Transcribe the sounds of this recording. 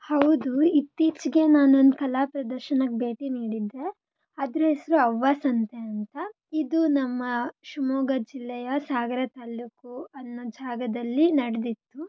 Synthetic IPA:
hɐwd̪uit̪ːiːt͡ʃɡe̞naːnuond̪ukɐlaːpɾɐd̪ɐɾʃɐnɐkbe̞ːʈiniːɽid̪ːe̞ | ɐd̪ɾuɦesɐɾuɐʋːaːsɐnt̪eɐnt̪ɐ | id̪unɐmːɐʃumɔːɡɐd͡ʒilːɛjɐsaːɡɐɾɐt̪aːlukuɐnːud͡ʒʱaːɡɐd̪ɐlːinɐɽed̪it̪ːu

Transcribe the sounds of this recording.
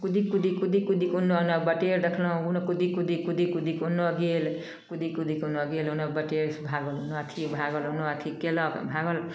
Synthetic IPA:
kud̪ikud̪ikud̪ikud̪ikunːounɔbəʈeɾd̪ekʰlʌ̃unokud̪ikud̪ikud̪ikud̪ikunːoɡel | kud̪ikud̪ikunoɡelɦunɔbəʈeɾsbʱaɡɔlɦunoat̪ʰibʱaɡɔlɦunoat̪ʰikelɔbʱaɡɔl

